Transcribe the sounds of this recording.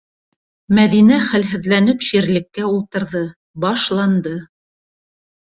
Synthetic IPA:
mæðinæχælɦɘ̆ðlænɘpʃiɾlɘ̆kːæulˠt̪ɤ̆ɾðɤ | bɑʃlˠɑnd̪ɤ

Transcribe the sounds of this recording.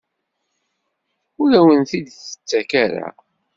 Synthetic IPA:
ʊlæwənθid̪θə̥t͡sːækaɾa̰

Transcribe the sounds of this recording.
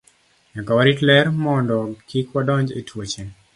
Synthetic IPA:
ɲakawaɾitlɛɾmɔndɔkikwadɔɲd͡ʒḛtwot͡ʃe

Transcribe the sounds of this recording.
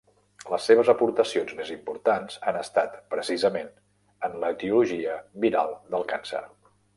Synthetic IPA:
ləsːeβ̞əzəpuɾt̪əsionzmezimpuɾt̪anz̥anəst̪at̪pɾəsizəmen | ənlət̪iuluʒiəbiɾalˠd̪əlˠkansə̰ɾ

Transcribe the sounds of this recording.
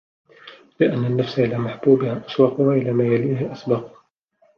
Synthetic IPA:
lɪʔanːanːafsaʔɪlaːmaħbuːbɪʕaʔaswɑqwaʔɪlaːmaːjaliːhɪʔasbɑːq

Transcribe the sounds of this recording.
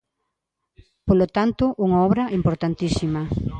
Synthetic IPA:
polot̪ant̪ʊʔuŋaɔβɾɐʔimpoɾt̪ant̪isimɐ

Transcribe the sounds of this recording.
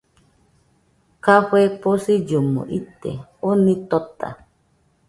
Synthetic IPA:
kaɸeposid͡ʒomõ̰ʔit̪ḛonĩt̪ot̪a̰

